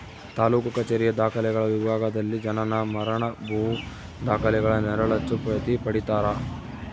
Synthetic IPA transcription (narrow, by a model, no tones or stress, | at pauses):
t̪aːluːkukɐt͡ʃeːɾijɐd̪aːkʰɐlɛɡɐɭɐʋibʱaːɡɐd̪ɐlːid͡ʒɐnɐnɐmɐɾɐɳɐbʱu | d̪aːkʰɐlɛɡɐɭɐnɛɾɐɭɐt̪ːupɾɐt̪ipɐɽit̪aːɾɐ